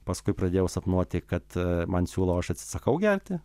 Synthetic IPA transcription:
pɐskʊɪprɐd̪ʲeːjɛʊsɐpnuɔt̪ʲɪkɐt̪mɐnsʲuːlˠɐːɐʃɐt̪ʲsʲɪ̥sɐkɐʊɡʲɛrʲt̪ʲɪ

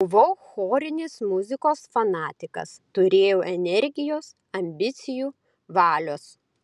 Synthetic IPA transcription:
ʊʋoʊxoːɾʲɪnʲɪsmʊzʲɪkoːsfɐnɑːt̪ʲɪkɐ̰st̪ʊɾʲeːjoːʔɛnʲɛɾʲɡʲɪjoːs | ɐmʲbʲɪt̪sʲɪjuː | ʋɑːlʲoːs

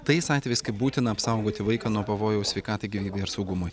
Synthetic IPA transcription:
t̪ɐɪsɑːt̪ʲʋʲɛɪɪskɐɪbuːt̪ʲɪnɐɐpsɐˑʊɡoːt̪ʲɪʋɐɪkɑnuɔpɐʋoːjɛʊsʲʋʲɛɪkɑːt̪ɐɪɡʲiʋʲiːbʲɛɪɐɾsɐʊɡʊmʊj

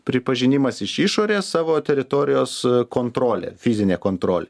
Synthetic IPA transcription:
pʲɾʲɪpɐʒʲɪnʲɪmɐsɪʃiʃoːɾʲeːssɑːʋoːt̪ʲɛɾʲɪt̪oːɾʲɪjoːskoːnt̪ɾoːlʲḛːfʲɪzʲɪnʲeːkoːnt̪ɾoːlʲḛ

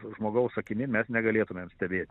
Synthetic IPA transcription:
ʒmoːɡɐʊsɐkʲɪmʲɪmʲɛsnʲɛɡɐlʲeːt̪ʊmʲeːmsʲt̪ʲɛbʲeːt̪ʲ

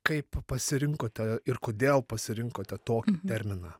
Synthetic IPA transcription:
kɐɪppɐsʲɪɾʲɪŋkoːt̪ʲɛɪrkoːd̪ʲeːlˠpɐsʲɪɾʲɪŋkoːt̪ʲɛt̪oːkʲit̪ʲɛɾʲmʲɪnɑː

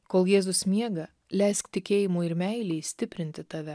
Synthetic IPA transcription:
koːlˠjeːzʊsmʲiɛɡɐ | lʲɛɪskt̪ʲɪkʲeːjɪmuːɪɾmʲæɪlʲɛːsʲt̪ʲɪpʲɾʲɪnʲt̪ʲɪt̪ɐʋʲɛ

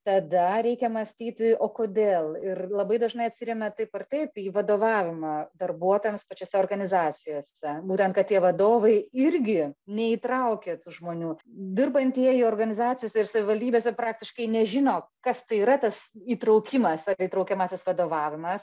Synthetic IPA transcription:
t̪ɐd̪ɐɾʲɛɪkʲɛmɐsʲt̪ʲiːt̪ʲɪoːkoːd̪ʲeːlˠɪrlˠɐbɐɪd̪ɐʒnɐɪɐt̪ʲsʲɪɾʲɛmʲɛt̪ɐɪpɐrt̪ɐɪpiːʋɐd̪oːʋɑːʋʲɪmɐːd̪ɐrbuɔt̪oːjɛmspɐt͡ʃʲoːsʲɛoːrɡɐnʲɪzɑːt͡sʲɪjoːsʲɛbuːt̪ʲɛnt̪̚kɐt̪̚tʲiɛʋɐd̪oːʋɐɪɪɾʲɡʲɪnʲɛiːt̪ɾɐʊkʲeːt̪ʊʒmoːnʲuːd̪ʲɪrbɐnʲt̪ʲiɛioːrɡɐnʲɪzɑːt͡sʲɪjoːsʲɛɪrsɐʋʲɪʋɐlʲd̪ʲiːbʲeːs̬ʲɛpɾɑːktʲɪʃkɐɪnʲɛʒʲɪnoːkɐst̪ɐɪiːɾɐt̪ɐsiːt̪ɾɐʊkʲɪmɐsɐit̪ɾɐʊkʲɛmɑːsʲɪsʋɐd̪oːʋɑːʋʲɪmɐs

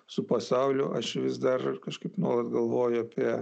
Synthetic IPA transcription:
sʊpɐsɐʊlʲʊʔɐʃʋʲɪsd̪ɐrkɐʃkɐɪpnuɔːlˠɐt̪ɡɐlˠʋoːjʊɐpʲiɛ

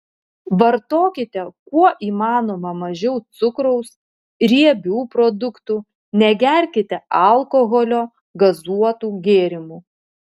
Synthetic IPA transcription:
ʋɐɾt̪oːkʲɪt̪ʲɛkuɔʔiːmɑːnoːmɐmɐʒʲɛʊt̪sʊkɾɔʊs | ɾʲiɛbʲuːpɾɔd̪ʊkt̪uː | nʲɛɡʲɛɾʲkʲɪt̪ʲɛʔɐlˠkɔɣɔlʲoː | ɡɐzuɔt̪uːɡʲeːɾʲɪmuː

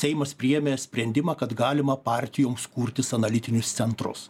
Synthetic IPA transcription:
sʲɛɪmɐspʲɾʲɪjɛmʲeːsʲpʲɾʲɛnʲd̪ʲɪmɑːkɐt̪ɡɑːlʲɪmɐpɑːˑɾʲt̪ʲɪjoːmskuːɾʲt̪ʲɪsɐnɐlʲɪt̪ʲɪnʲʊst̪sʲɛnt̪ɾʊ̰s

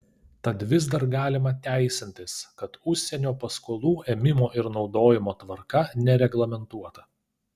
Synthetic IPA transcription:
t̪ɐt̪ʋʲɪzd̪ɐɾɡɑːlʲɪmɐt̪ʲæˑɪsʲɪnʲt̪ʲɪskɐt̪ʊʃʲsʲɛnʲoːpɐskoːlˠuːʔeːmʲɪmoːʔɪɾnɒʊd̪oːjɪmoːt̪ʋɐɾkɐnʲɛɾʲɛɡlˠɐmʲɛnt̪uɔt̪ɐ

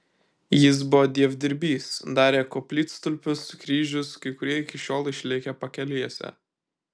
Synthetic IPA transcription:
jɪs̬bʊʋɔːd̪ʲiɛʋʲd̪ʲɪɾʲbʲiːsd̪ɑːɾʲeːkɔpʲlʲiːt̪st̪ʊlʲpʲʊskɾʲiːʒʲʊskɐɪkʊɾʲiɛɪkʲɪʃʲoːlˠɪʃʲlʲɪkʲɛpɐkʲɛlʲiɛsʲɛ̰

